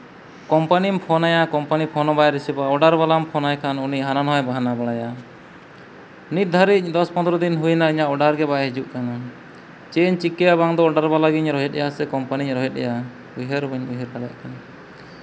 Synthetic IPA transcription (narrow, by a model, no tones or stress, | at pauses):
kɔmpanimpʰɔnajakɔmpanipʰɔnɔbajɾisibaɔɖaɾbalampʰɔnajkʰanuniʔɦananɦɔjbaɦanabaɽaja | nit̪̚d̪ʱaɾic̚d̪ɔspɔ̃nd̪ɾɔd̪inɦujnaiɲaʔɔɖaɾɡɛbaɦid͡ʒuʔkana | t͡ʃeɲt͡ʃikːɛjabaŋd̪ɔːɖaɾbalaɡiɲɾɔɦɛt̪̚ɛjasɛkɔmpaniɲɾɔɦɛt̪̚ˀɛ̰ja | biɦɛɾbɛɲbiɦɛɾkaɽja̰ʔkana